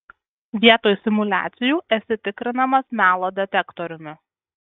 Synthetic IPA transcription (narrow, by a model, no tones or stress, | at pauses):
ʋʲiɛt̪oːjsʲɪmʊlʲæ̰ːt̪sʲɪjuːʔɛsʲɪt̪ʲɪkɾʲɪnɐmɐsmʲæːlˠoːd̪ʲɛt̪ʲɛkt̪ɔɾʲʊmʲɪ